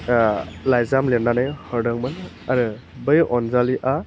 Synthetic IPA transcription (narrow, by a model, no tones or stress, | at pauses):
lajzamlenːanajhɯɾdɯŋmɯn | aɾɯ | bɯjɔnzaliʔa